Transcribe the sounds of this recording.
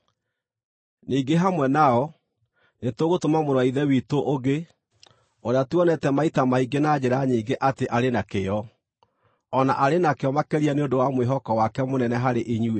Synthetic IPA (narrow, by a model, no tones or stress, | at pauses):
niːɡeɦamwɛnaɔ | netoɣotomamoɾwaiðɛwiːtoʔoɡe | oɾeatuɔnɛtɛmaitamaiɡenad͡ʑeɾaɲiːɡeʔateʔaɾenakeɔ | ɔnaʔaɾenakeɔmakɛɾianeodowamweɦɔkɔwakɛmonɛnɛɦaɾeʔiɲue